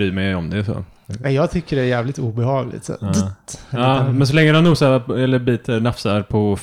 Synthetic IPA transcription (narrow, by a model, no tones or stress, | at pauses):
ɾiːmɛɔmd̪ɛso̰ː | ɛjɑːɡt̪ʰʏkːəɖɛæɾjæːvlɪt̪uːbɛhɑːɡlɪ̰t̪sɔ̰d̪t̪ɑːmɛns̬ɔlɛŋːəd̪ɔnːuːsaɾɛlːəɾbiːt̪ʰəɾnafsaɾpʰɔ